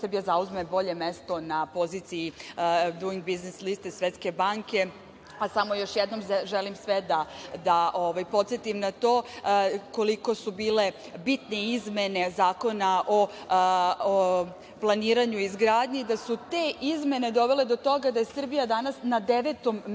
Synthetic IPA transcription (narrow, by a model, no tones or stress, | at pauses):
sr̩bijazauzmebo̞ʎe̞me̞st̪o̞napo̞ziːt̪sijid̪uiŋɡbizneslist̪esʋet̪ske̞baŋke̞ | asamo̞jo̞ʃjɛd̪nomʒelimsʋed̪ad̪aʔoʋajpo̞t̪set̪imnat̪o̞ː | koliko̞subiːle̞ | bit̪ne̞izme̞ne̞zaːko̞naʔo̞ | plˠaniːɾaɲuizɡɾaːd̪ɲeid̪asut̪e̞ʔizme̞ne̞d̪o̞ʋe̞le̞d̪o̞t̪o̞ɡad̪ajesr̩bijad̪anasnad̪eʋet̪o̞m